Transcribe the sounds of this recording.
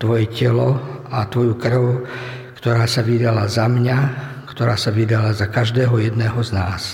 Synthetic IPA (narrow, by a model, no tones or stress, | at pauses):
t̪ʋɔjɛcɛlɔat̪ʋɔjukr̩ʊ | kt̪ɔɾaːsaʋid̪alazamɲa | kt̪ɔɾaːsaʋid̪alazakaʒd̪ɛːɦɔjɛd̪nɛːɦɔznaːs